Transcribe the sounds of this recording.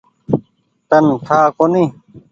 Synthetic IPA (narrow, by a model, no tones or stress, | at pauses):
t̪ɐnt̪ʰaːkoni